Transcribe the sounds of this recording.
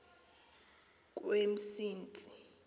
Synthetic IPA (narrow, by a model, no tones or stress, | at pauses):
k̬ʼwem̩siːnt͡sʼi̥